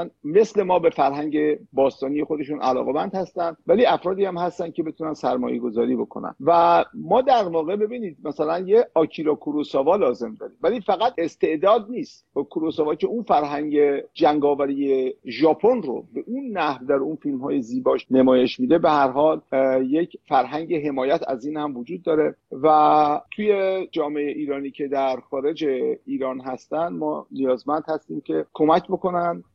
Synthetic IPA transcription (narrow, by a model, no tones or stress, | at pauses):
nme̞sle̞mɒːbe̞fæɾɦæɲɟe̞bɒːst̪ɒːnije̞xo̞d̪e̞ʃunʔæ̰lɒ̰ːɣe̞mænd̪̥hæst̪ænd̪væliːæfɾɒːd̪iːhæmhæst̪ænd̪cʰe̞be̞t̪ʰunænsæɾmɒ̰ːje̞̰ɡo̞zɒːɾiːbo̞kʰo̞næ̰nvæmɒːd̪æɾvɒːɣe̞be̞biːniːd̪̚mæsælænjeɒːcʰiɾɒːkʰoɾosɒːvɒːlɒːze̞md̪ɒːɾiːmvæliːfæɣæt̪e̞st̪e̞ʔd̪ɒːd̪̚niːst̪kʰuɾosɒːvɒːcʰe̞unfæɾɦæɲɟe̞d͡ʒæŋɡɒːvæɾijeʒɒːpʰo̞nro̰beʔunːæhvd̪æɾunfilmɦɒːjeziːbɒːʃnemɒːjeʃmiːd̪e̞behæɾɦɒːlje̞cfæɾɦæɲɟe̞ɦe̞mɒːjæt̪ʰæ̰ziːnhæmvod͡ʒuːd̪̚ːɒːɾe̞væt̪ʰuje̞d͡ʒɒːmeejeʔiːɾɒːniːcʰe̞d̪æɾxɒːɾe̞d͡ʒeiːɾɒːnɦæst̪ænd̪mɒ̰ːnijɒːzmænd̪̥hæst̪iːmcʰe̞kʰo̞mæcʰbo̞ko̞nænd̪